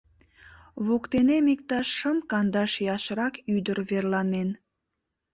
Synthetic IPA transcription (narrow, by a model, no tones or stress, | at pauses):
βokt̪enemik̚t̪ɑʃːəmkɑnd̪ɑʃjɑʃɾɑkyd̪əɾβerlɑnen